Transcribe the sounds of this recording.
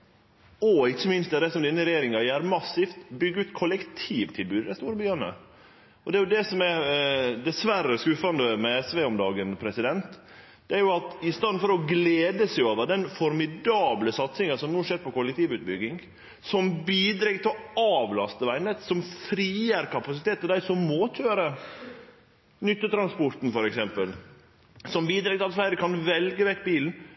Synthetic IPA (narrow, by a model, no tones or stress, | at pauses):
ɔɪçːəmɪnst̪ɛd̪ɛsɔmd̪ɪnːəɾɛjeːɾɪŋɑjæɾmɑsːɪft̪bʏɡːəʉːt̪kʰɔlɛkt̪ʰiːʋt̪ʰɪlbʉːd̪d̪æɪst̪uːɾəbøːnə̰ | ɔd̪ɛæɾjʊd̪ɛsɔmæd̪ɛsʋæɾəskʉːfɑnd̪əmɛɛsʋeɔmd̪ɑːɡənpʰɾɛsɪd̪ɛnt̪ | d̪̥ɛæɾjʊɑt̪ɪst̪ɑnd̪fɔɾɔɡleːd̪əsɛɪoːʋəd̪ɛnfɔɾmɪd̪ɑːbləsɑt̪sɪŋəsɔmnuːʂeːɾpɔkʊlɛk̚t̪ʰiːʋʉːt̪̚bʏɡːɪŋ | sɔmbiːd̪ɾɛɡt̪ʰɪɔɑːʋlɑst̪əʋæɪnət̪sɔmfɾiːəɾkʰɑpɑsɪt̪eːt̪ːd̪æɪsɔmːoːt̪ʰøːɾə | nʏt̪ːət̪ʰɾɑnspɔɾt̪n̩fɔɾɛksɛmpəl | sɔmbiːd̪ɾɛːɡt̪ʰɪɑt̪flæɪɾəkʰɑnʋɛlɡəʋɛkːbiːln̩